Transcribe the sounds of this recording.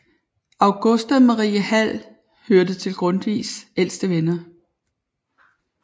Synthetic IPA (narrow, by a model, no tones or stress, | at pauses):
ɑ̈ʊɡ̥ɔsd̥æmɑʁḭːəhæl̰ | høɐd̥ət͡sʰe̝lɡ̥ʁɔ̽n̥ʋḭːsel̰sd̥əʋenɐ